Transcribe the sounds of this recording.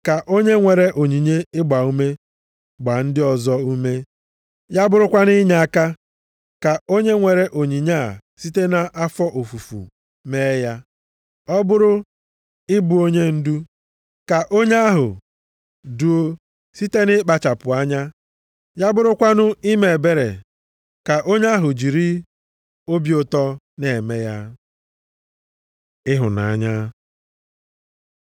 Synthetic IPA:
ka˨ʔo˦ɲe˦ŋʷe˨ɾe˦ʔo˨ɲi˨ɲe˦ɪ˦ɡ͡ba˨u˦me˦ | ɡ͡ba˨n̩˦dɪ˦ɔ˨zɔ˦u˦me˦ | ja˦bʊ˦ɾʊ˦kʷa˦nɪ˦ɲa˨a˦ka˦ | ka˨o˦ɲe˦ŋʷe˨ɾe˨ʔo˨ɲi˨ɲa̰˦˨si˦te˦na˦ʔa˦fɔ˦ʔo˨fu˨fṵ˨ | me˦ja˦ | ɔ˦bʊ˦ɾʊ˦ | ɪ˦bu˨o˦ɲe˦n̩˦du˦ | ka˨ʔo˦ɲe˦a˦ɦʊ̰˨ | du˨o˦ | si˦te˦nɪ˦k͡pa˨t͡ʃa˨pʊ˨a˦ɲa˦ | ja˦bʊ˦ɾʊ˦kʷa˦nʊ˦i˦me˨be˦ɾḛ˨ | ka˨ʔo˦ɲ˦a˦ɦʊ˨d͡ʒi˨ɾi˦ | o˦bjʊ˨tɔ˦ | ne˨me˦ja˦ | ɪ˦ɦʊ˨na˨a˦ɲa˦

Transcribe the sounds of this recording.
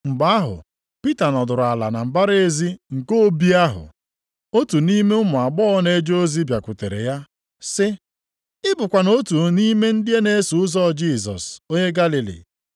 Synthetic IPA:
ŋ͡m̩˨ɡ͡ba˦a˦ɦʊ̰˨ | pi˦ta˨nɔ˨dʊ˨ɾʊ˨a˨la̰˨na˨m̩˨ba˦ɾe˦e˦zi˦ŋ̩˨ko˦bi˦a˦ɦʊ̰˨ | o˦tu˨ni˦me˦ʊ˦mʊ˨a˨ɡ͡bɔ˦ne˦d͡ʒo˦zi˦bja˨kʷʊ˨tḛ˨ɾḛ˨ja˦ | sɪ˦ | ɪ˦bʊ˨kʷa˨no˦tu˨ni˦me˦n̩˦dɪ˦e˦ne˦su˨ʊ˦zɔ˦˨d͡ʒi˦˨sɔ̰˨so˦ɲe˦ɡa˦li˨lḭ˨

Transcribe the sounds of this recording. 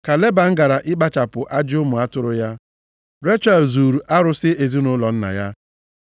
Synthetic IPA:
ka˨le˦ba˨ŋ̩˦ɡa˨ɾa˨ʔɪ˦k͡pa˦t͡ʃa˨pʊ˨ʔa˦d͡ʒɪ˦ʊ˦mʊ˨a˦tʊ˦ɾʊ˦ja˦ | ɾe˦t͡ʃa˨zu˨ɾu˨ʔa˦ɾʊ˦sɪ˦e˨zi˦nʊ˦lɔ˨n̩˦na̰˨ja˦

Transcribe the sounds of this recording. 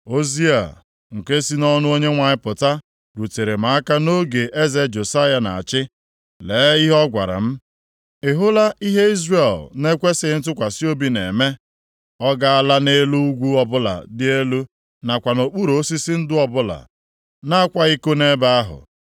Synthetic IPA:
o˦zi˦a̰˨ | ŋ̩˨ke˦si˦nɔ˦nʊ˦o˦ɲe˦ŋʷa˨ɲɪ˦pʊ˨ta˦ | ɾu˨te˨ɾe˨ma˨˦a˦ka˦no˦ɡe˨ʔe˦ze˦d͡ʒo˨sa˦ja˨na̰˨a˨t͡ʃɪ˦ | leː˨˦i˦ɦɔ˦ɡʷa̰˨ɾa̰˨m̩˦ | ɪ˨ɦʊ˦la˦ʔi˦ɦe˦i˦zre˨lne˦kʷe˦sɪ˨n̩˦t̬ʊ˦kʷa˨si˦o˦bi˨nḛ˨me˦ | ɔ˦ɡa˦a˦˨la˦ne˦lu˦u˦ɡʷu˦ɔ˨bʊ˦la̰˨dɪ˦e˦lu˦ | na˨kʷa˨no˨k͡pu˦ɾo˨˦si˦sɪ˦n̩˦dʊ˦ɔ˨bʊ˦la̰˨ | na˦a˦kʷa˦i˦ko˦ne˦ba˦a˦ɦʊ̰˨

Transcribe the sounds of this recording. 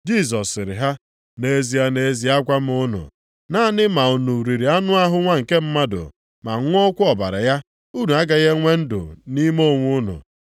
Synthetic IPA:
d͡ʒi˦˨s̬ɔ˨sːɪ˨ɾɪ̰˨ɦa˦ | ne˨e˦zi˨a˦ne˨˦zi˨a˦ɡʷa˦m˦ʊ˦nʊ̰˨ | na˦nɪ˦ma˨u˨nu˨ɾi˨ɾi˨a˦nʊ˦a˦ɦʊ˦ŋʷa˦ŋ̩˨ke˦m̩˦ma˦dʊ̰˨ | ma˨˦ŋʷ˦ɔ˦kʷʊ˦ɔ˨ba̰˨ɾa̰˨ja˦ | u˦nu˨a˦ɡa˨ɣe˦ŋʷe˦n̩˦dʊ̰˨ni˦mo˦˨ŋʷu˦nʊ̰˨

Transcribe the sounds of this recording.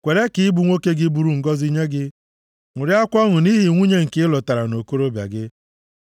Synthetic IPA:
kʷe˨ɾe˦kɪ˨˦ɪ˦bu˨ŋʷo˦ke˦ɡɪ˦bu˨ɾu˦˨ŋ̩˨ɡɔ˦zi˦ɲe˦ɡɪ˦ | ŋʷʊ˨ɾja˦kʷɔ˦ŋʊ˨ni˦ɦi˨ŋʷu˦ɲe˦ŋ̩˨kɪ˦ɪ˦lɔ˨ta˨ɾa˨no˨ko˦ɾo˦bja̰˨ɡɪ˦

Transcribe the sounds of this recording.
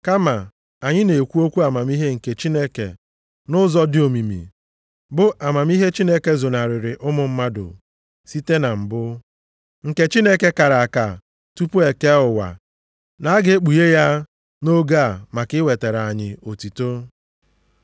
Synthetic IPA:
ka˦ma˨ | a˨ɲɪ˦ne˨kʷu˦o˦kʷu˦a˨ma˨mi˦ɦe˦ŋ̩˨ke˨t͡ʃi˦ne˦kḛ˨ | nʊ˦zɔ˦dɪ˦o˨mi˨mḭ˨ | bʊ˦ʔa˨ma˨mi˦ɦe˦t͡ʃi˦ne˦ke˦zo˨na˨ɾɪ˨ɾɪ˨ʔʊ˦mʊ˨m̩˦ma˦dʊ̰˨ | si˦te˦na˨m̩˨bʊ˦ | ŋ̩˨ke˨t͡ʃi˦ne˦ke˦ka˨ɾa˨a˨ka˨ | tu˦pu˦e˨ke˦ʊ˨wa̰˨ | na˨a˦ɡɪ˦e˦k͡pu˨je˦ja˦ | no˦ɡa˦˨ma˨kɪ˦we˨te˨ɾa˨ɲɪ˨o˨ti˨to˦

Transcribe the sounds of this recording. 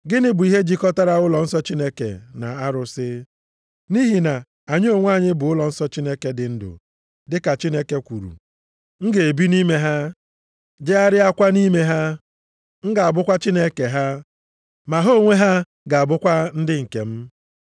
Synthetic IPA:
ɡɪ˦nɪ˦bʊ˨i˦ɦe˦d͡ʒi˦kɔ˦ta˦ɾa˦˨ʊ˦lɔ˨n̩˦sɔ˦t͡ʃi˦ne˦kḛ˨na̰˨a˦ɾʊ˨sɪ˦ | ni˦ɦi˨na˨ | a˨ɲ˦o˨ŋʷ˦a˦˨ɲɪ˦bʊ˨ʊ˦lɔ˨n̩˦sɔ˦t͡ʃi˦ne˦ke˦dɪ˨n̩˦dʊ̰˨ | dɪ˦ka˨t͡ʃi˦ne˦ke˦kʷu˨ɾṵ˨ | ŋ̩˦ɡe˨e˨bi˦ni˦me˦ɦa˦ | d͡ʒe˦a˦ɾɪ˦a˦kʷa˦ni˦me˦ɦa˦ | ŋ̩˦ɡa˨a˨bʊ˦kʷa˦t͡ʃi˦ne˦ke˨ɦa˦ | ma˨ɦo˦˨ŋʷe˦ɦa˦ | ɡa˨a˨bʊ˦kʷa˦n̩˦dɪ˦ŋ̩˨ke˨m̩˦

